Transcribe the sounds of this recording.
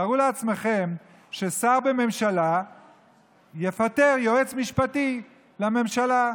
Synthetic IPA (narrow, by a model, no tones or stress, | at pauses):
aʁuleat͡sme̞χe̞m | ʃe̞saʁbeme̞mʃala | je̞fat̪e̞ʁjo̞et͡smiʃpat̪i | lame̞mʃala